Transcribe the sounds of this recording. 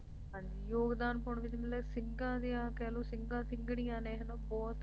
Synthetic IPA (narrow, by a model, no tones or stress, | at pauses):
ɦãːɲd͡ʒiːjoːɡd̪aːnpʊɳʋɪt͡ʃmɪlɛːsɪŋɡãːd̪ijãːkɛːloːsɪŋɡãːsɪ̃ŋɡɽijãːneːɦnãːbɔːt̪